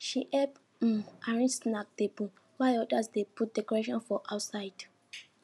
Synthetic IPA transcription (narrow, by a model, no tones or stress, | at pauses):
ʃiʔɛb̩ | aɹĩsnak̚debũ | waɪɔdasdeput̚dɛkɔɹeʃɔ̃nfɔʔaʊtsaɪd